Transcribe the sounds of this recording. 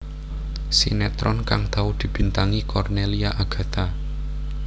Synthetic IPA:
sinɛt̪ɾɔnkaŋt̪aud̪̥i̤b̥i̤nt̪aŋikɔrneliaʔaɡ̥ä̤t̪a

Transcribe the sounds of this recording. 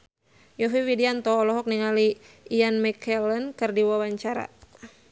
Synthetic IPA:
jɔfiwidiant̪ɔːlɔɦɔk̚niŋali | ianmɛkʰɛlənkɨrdiwawaɲt͡ʃaɾa̰

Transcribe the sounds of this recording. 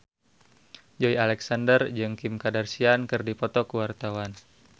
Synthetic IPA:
d͡ʒɔialɛksandərd͡ʒɨŋkimkadarsiankɨrdipɔt̪ɔkuwart̪awan

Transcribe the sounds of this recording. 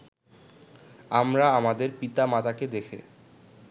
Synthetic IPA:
amɾaamad̪eɾpit̪amat̪aked̪ekʰḛ

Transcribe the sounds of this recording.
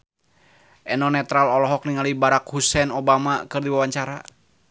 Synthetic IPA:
ʔɛnɔnɛt̪ɾalɔlɔɦɔk̚niŋalibaɾakhusɛnobamakɨrdiwawaɲt͡ʃaɾa

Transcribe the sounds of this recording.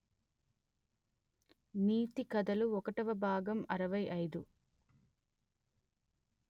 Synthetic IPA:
niːt̪ikɐd̪ɐluɔkɐʈɐʋɐbʱaːɡɐmɐɾɐʋɐjʔɐjd̪u

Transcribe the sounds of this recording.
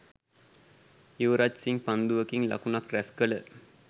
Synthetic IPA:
iʋɾat͡ʃsiŋpand̪uʋəkiŋla̰kunakræskələ

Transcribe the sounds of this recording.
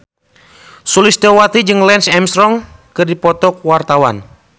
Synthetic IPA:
sulist̪ɛwat̪id͡ʒɨŋlɛnsɛmst̪ɾɔŋkɨrdipɔt̪ɔkwart̪awa̰n

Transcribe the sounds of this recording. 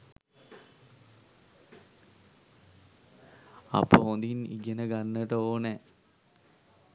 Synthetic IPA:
a̰pːoond̪inḭɡenəɡanːəʈəoːnɛ

